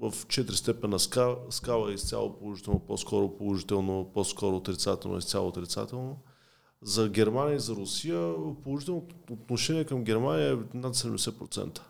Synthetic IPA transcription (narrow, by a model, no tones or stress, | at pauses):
vəft͡ʃɛt̪ɾist̪ɛpɛnnːɐskaskavˠəist̪sʲja̰lˠo̰polˠoʒit̪ɛlˠnoposkɔɾopolˠoʒit̪ɛlˠnoposkɔɾoːt̪ɾit̪sat̪ɛ̰lˠno̰ḭst̪ʲa̰lˠo̰ːt̪ɾit̪sa̰t̪ɛlˠno | zɐɡʲɛɾmanʲiəizɐɾʊsijəpolˠoʒit̪ɛlˠnot̪oːt̪noʃɛniɛkəmɡ̟ʲɛɾmanijəɛnat̪sɛd̪ɛmd̪ɛsɛpɾot̪sɛ̰nt̪ə̥